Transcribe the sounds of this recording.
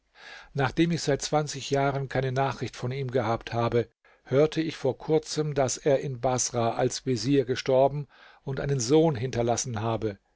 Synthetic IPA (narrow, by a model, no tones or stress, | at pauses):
naːχd̥eːmɪçz̥aɪt̚t͡sv̥ant͡sɪçjaːʁənkʰaɪnənaːχʁ̥ɪçtfɔniːmɡəhaːpthaːbə | høːɐtʰəɪçfoːɐkʰʊɐt͡səmdaseːɐʔɪnbasʁaʔalsv̥eziːɐɡəʃtɔɐbm̩ | ʊntʔa̰ɪnənzoːnɦɪntɐlasn̩ɦaːbə